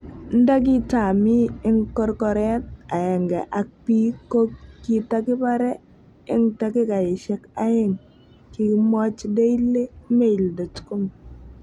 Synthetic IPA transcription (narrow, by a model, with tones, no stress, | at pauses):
n̩˦da˦k̬i˦ta˨mi˦ɪ˦ŋkɔ˦ɾkɔ˨ɾɛ˦t̚a˨ɛ˨ŋɡɛ˨ʔa˨k̚pi˦ko˦kkːi˨ta˦kɪ˦baɾɛ˦ | ɪ˦ŋta˦kɪ˦ka˨ɪ˨ʃɛ˦ka˦ɪ˦ŋ | kɪ˨mɔ˦t͡ʃde˦i˦le˦me˦i˨ldo˨tku˦m